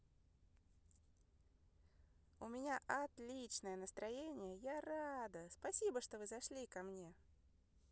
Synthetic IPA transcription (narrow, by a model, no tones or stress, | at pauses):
ʊmʲɪnʲaʔɐt̪lʲit͡ɕnəjənəst̪ɾɐjenʲɪjəjarad̪əspɐsʲibəʂt̪o̞vɨzɐʂlʲikɐmnʲe̞